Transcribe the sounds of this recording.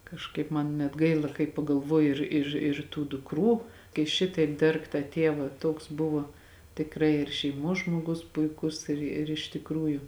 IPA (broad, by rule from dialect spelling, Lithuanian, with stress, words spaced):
kɐʃˈkɐɪp mɐn nʲɛt ˈɡɐɪlˠɐ kɐɪ pɐɡɐlˠˈʋoːjʊ ˈɪr ɪr ɪr tuː dʊkˈruː kɐɪ ˈʃʲɪtɐɪp ˈdʲɛrk tɑː ˈtʲeːʋɑː ˈtoːks ˈbʊʋoː tʲɪkˈrɐɪ ɪr ʃʲɛɪˈmoːs ʒmoːˈɡʊs pʊɪˈkʊs ɪr ɪr ɪʃ tʲɪkˈruːjʊ